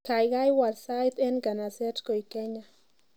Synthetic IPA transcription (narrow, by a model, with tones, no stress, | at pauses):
ka˨jɡa˦jwa˨dsa˦jt̪ɛ˦nɡa˨na˨sɛ˦tko˨i˨kɛ˦ɲa˦